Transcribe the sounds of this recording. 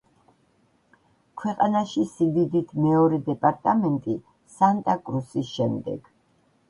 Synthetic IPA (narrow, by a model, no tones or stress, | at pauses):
kʰwɛqʼanaʃisid̪id̪it̪ʰmɛɔɾɛd̪ɛpʼaɾt̪ʼamɛnt̪ʼi | sant̪ʼakʼɾusisʃɛmd̪ɛ̰ɡ̥